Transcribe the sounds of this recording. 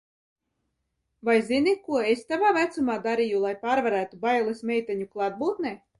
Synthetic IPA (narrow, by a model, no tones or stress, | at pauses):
vajzinikuɔest̪avaːvæt̪sumaːd̪aɾijulˠajpaːɾvaɾæːt̪ubajlˠismɛjt̪ɛɲuklˠad̪̚buːt̪ne